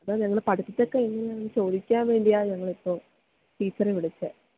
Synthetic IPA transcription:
ɐðaːɲɐŋːɐɭpɐʈɐt̪ːit̪ːokːeiŋːɐnɲanːɨt͡ɕo̞ːd̪ikʲːaːnʋe̞ːɳɖijaːɲɐŋːɐɭipːoː | ʈiːt͡ɕːɐreʋiɽit͡ɕːɨ

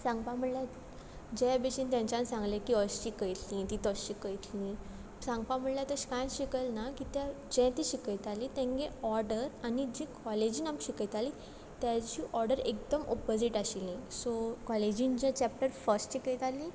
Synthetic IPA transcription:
sãŋɡpam̤əɳlja | d͡ʑɛbeɕint̪jãɲt͡ɕãnsãŋɡlekiəsɕikəjt̪ʰlĩt̪it̪əɕikəjt̪lĩ | sãŋɡpam̤əɳljat̪əɕkajɕikəlnakit̪jad͡ʑɛ̃t̪iɕikəjt̪alit̪ɛ̃ŋɡeɔɾɖəɾanid͡ʑikɔled͡ʑiːnamɕikəjt̪aliː | t̪jat͡ɕiːʔɔɾɖəɾek̚d̪əmo̰pod͡ziʈaɕilĩsokɔled͡ʑĩnd͡ʑɛ̃t͡ɕɛp̚ʈəɾfəɾsʈɕikəjt̪alĩ

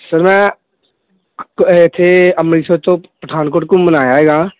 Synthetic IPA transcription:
səɾmɛ̃ː | ɪt̪ʰːeəmɾiːsət̪õpəʈʰaːnkoːʈkõmənaːjaːɦeːɡaː

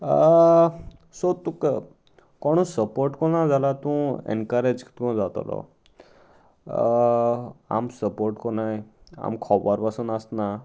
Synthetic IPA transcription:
sot̪uk | kɔɽ̃ɔsəpoɾʈkɔnad͡zalat̪ũɛ̰nkəɾed͡ʒki̥t̪kɔd͡zat̪o̰lɔ̰ | a̰msəpoɾʈkɔnaja̰mkʰɔbəɾpasunast̪na

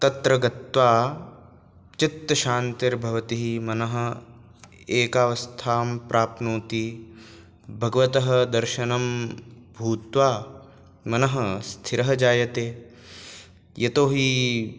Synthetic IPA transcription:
t̪ɐt̪ɾɐɡɐt̪ʋaː | t͡ʃɪt̪ːɐʃaːnt̪ɪɾbʱɐʋɐt̪iɦimɐnɐɦɐ̆ | eːkaːʋɐst̪ʰaːmpɾʔaːpnoːt̪i | bʱɐɡɐʋɐt̪ɐɦɐ̆d̪ɐɾʃɐnɐmbʱuːt̪ʋaː | mɐnɐɦɐst̪ʰiɾɐɦɐd͡ʒaːjɐt̪eː | jɐt̪oːɦi

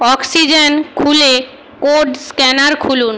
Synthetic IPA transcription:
ɔksid͡ʑenkʰule | koɖskɛnaɾkʰulun

